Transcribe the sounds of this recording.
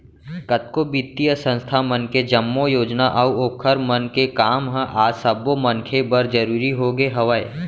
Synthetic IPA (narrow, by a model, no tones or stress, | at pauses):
kət̪̚kobit̪ːijəsə̃nst̪ʰamənked͡ʒɐmːojoːd͡ʒnaʔɐuoːkʰəɾmənkekaːmɦə̃ʔaːsəbomɐnkʰebəɾd͡ʒəɾuːɾiɦoɡeɦɐʋəe